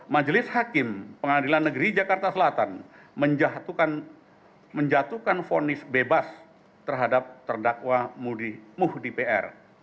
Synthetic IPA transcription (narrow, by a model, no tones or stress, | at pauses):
mad͡ʒlɪshakɪmpəŋadilanːəɡɾid͡ʒakart̪asəlat̪an | məɲd͡ʒat̪ukan | məɲd͡ʒat̪ukanfonɪsbebas | t̪ərɦadap̚t̪ərdakwamudɪmuhdipeɛ̰r